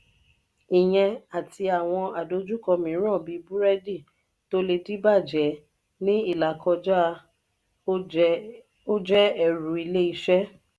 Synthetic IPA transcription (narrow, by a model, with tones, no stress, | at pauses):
i˨j̃ɛ̃˧a˨tʰi˧a˨w̃ɔ̃˧a˨do˧˦d͡ʒu˦kɔ˧mĩ˨˦ɾ̃ɔ̃˦˨bi˨˦bu˦ɾɛ˦di˦˨ | to˦le˧di˦ba˦˨d͡ʒɛ˨˦ | nĩ˦i˦˨la˨kɔ˧d͡ʒa˦˧ | o˦d͡ʒɛ˦ɛ˦˨ɾu˨i˧˨le˦i˧˦ʃɛ˦